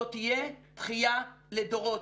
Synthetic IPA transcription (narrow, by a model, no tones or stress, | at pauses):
ot̪ijet̪χijaledoʁo